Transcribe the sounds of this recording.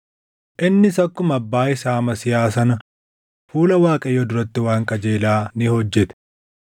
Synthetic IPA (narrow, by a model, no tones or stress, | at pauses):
ʔɪnːɪsɐkːʊmɐbːaːɪsaːmɐsɪjaːs̬ɐnɐ | fuːlɐwaːkʼɐjɔd̪ʊɾɐt̪ːɪwaːŋkʼɐd͡ʒe̞ːlaːnɪhɔd͡ʒːɛt̪ɛ̥